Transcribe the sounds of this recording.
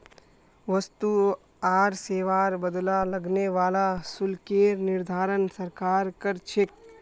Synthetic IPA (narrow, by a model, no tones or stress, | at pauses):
ʋɐst̪u | aːɾseːʋaːɾbəd̪lalɐɡneʋaːlasʊlkeːɾnɪɾd̪ʱaːɾənsɐɾkaːɾkəɾt͡ʃʰek̚